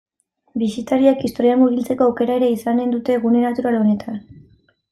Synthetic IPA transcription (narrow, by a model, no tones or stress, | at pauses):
bisit̪aɾiakist̪o̞ɾiaŋɡuβilt͡se̞ko̞awke̞ɾae̞ɾe̞isane̞nd̪ut̪e̞ɣunenat̪uɾalo̞ne̞t̪ʰan